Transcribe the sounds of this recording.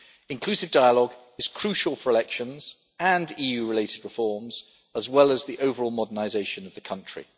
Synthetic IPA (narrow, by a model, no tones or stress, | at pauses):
ɪ̃nkʰl̥ʉˑsɪvdaɪəlɒɡ | ɪz̥kʰɹ̥ʉˑʃəlˠfəɹɪlɛkʃə̃nz̥ | ə̃niːjʉːɹɪleɪtɪd̚ɹɪfɔːmz̥ | əzwɛləzðiʔəʊvəɹɔːlˠmɒdənaɪzeɪʃə̃nəvðəkʰʌ̃nt͡ʃɹ̥ḭ